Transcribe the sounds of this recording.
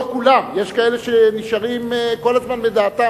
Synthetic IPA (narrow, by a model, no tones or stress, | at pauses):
kulamje̞ʃkae̞leʃeniʃaʁimkolazmanbed̪aːt̪a